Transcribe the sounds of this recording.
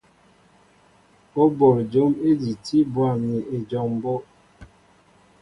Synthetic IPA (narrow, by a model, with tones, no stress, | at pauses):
o˦bo˨ɾd͡ʒo˨˦me˦di˨ti˦bwa˦˨mi˨ʔe˨d͡ʒɔ˦m˦bɔ˦